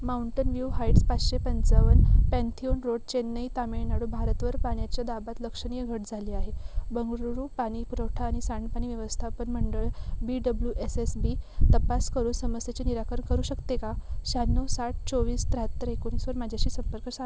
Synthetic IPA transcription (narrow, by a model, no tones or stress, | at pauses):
mauɳʈənʋjuɦaiʈspat͡sɕepənt͡saʋənpɛ̃nt̪ʰionɾoɽ̚t͡ɕenːəit̪ameɭnaɽubʱaɾət̪ʋəɾpaɳjat͡ɕjad̪abat̪ləkʂəɽ̃ijəɡʱəʈd͡zʱaliːaɦebəŋɡɾuɾuːpaɽ̃ipuɾəwʈʰaːɽ̃isaɳɳɖpaɽ̃iːʋjeʋəst̪ʰapənməɳɖəɭbiɖəbljuʔesesbit̪əpaskəɾuːnsəməsjet͡ɕeniɾakəɾəɳkəɾuːɕəkt̪ekaɕanːəsaʈ̚t͡soʋiːst̪ɾaɦət̪ːəɾekonisʋəɾmad͡ʑʱjaɕiːsəmpəɾkəsa